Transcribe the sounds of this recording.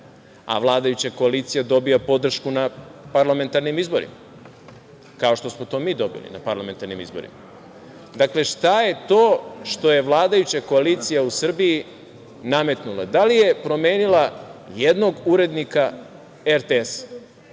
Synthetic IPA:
a̰ʋlˠaːd̪ajut͡ɕako̞aliːt̪sijad̪o̞bijapo̞d̪r̩ʃkunapaɾlame̞nt̪aɾnimizbo̞ɾḭma | kao̞ʃt̪o̞smot̪o̞ːmiːd̪o̞bḭlḭnapaɾlˠame̞nt̪aɾnimḭzbo̞̰ɾḭma | d̪akle̞ʃt̪aje̞t̪o̞ːʃt̪o̞je̞ʋlˠaːd̪ajut͡ɕako̞aliːt̪sijausr̩biji | name̞t̪nulˠa̰d̪alije̞pɾo̞me̞ːnilajed̪no̞ɡuɾe̞d̪nika | eɾt̪ees

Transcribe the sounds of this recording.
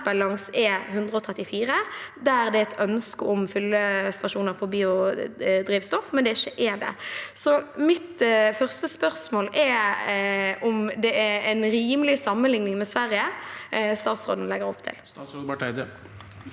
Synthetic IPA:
bɑlɑŋsɛhʉnd̪ʁəɔt̪ʰʁɛt̪ːɪfiːɾəd̪ææʁd̪ɛɛt̪œnskəɔmfʏlːəst̪ɑʃuːnəɾfɔɾbiːʊd̪ɾiːʋst̪ɔfmɛnd̪ɛɪçːəʔɛd̪ɛ̰sɔmɪt̪fœʁst̪əspœʁsmoːlɛ | ʔɔmd̪ɛɛɛɪnɾiːməlɪsɑmːənlɪŋnɪŋmɛsʋæɾjə | st̪ɑːt̪sʁo̰ːd̪n̩lɛɡəɾɔ̰pːt̪ʰɪ̰l | ɑʈæɪd̪ə

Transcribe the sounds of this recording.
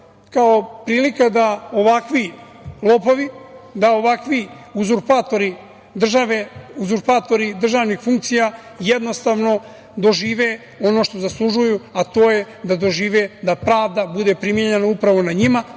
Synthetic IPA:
kao̞pɾiːlikad̪ao̞ʋakʋi | lˠo̞po̞ʋid̪ao̞ʋakʋiuzuɾpaːt̪o̞ɾi | d̪r̩ʒaʋeuzuɾpaːt̪o̞ɾid̪r̩ʒaːʋnixfuŋk̚t̪sija | jed̪no̞st̪aːʋno̞ | d̪o̞ʒiːʋe | o̞no̞ʃt̪ozaslˠuʒujuat̪o̞ːje | d̪ad̪o̞ʒiːʋed̪apɾaːvd̪abud̪e̞pɾimjeɲenaupɾaʋo̞naɲima

